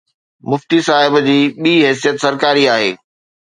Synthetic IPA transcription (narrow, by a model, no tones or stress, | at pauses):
mʊft̪isaːɦɪbd͡ʑiːɓiːɦɛːs̬ijət̪sɐɾkaːɾiaːɦeː